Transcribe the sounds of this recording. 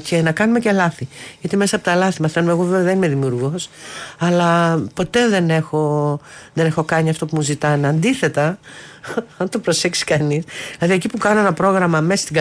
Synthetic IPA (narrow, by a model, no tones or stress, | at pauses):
ce̞nɐkɐnume̞ce̞lɐθiʝɐt̪ime̞sɐːpo̞t̪ɐlɐθimɐθenumeɣo̞veveɐðenimeðimiuɾɣosɐlɐpo̞t̪e̞ðe̞ne̞xo̞ðene̞xo̞kɐɲiɐft̪o̞pumuzit̪ɐneɐnd̪iθe̞t̪ɐ | ɐnt̪opɾo̞seksi̥kɐnisðilɐðiecipukɐno̞enɐpɾo̞ɣɾɐmɐmesɐ̥st̪iɡɐ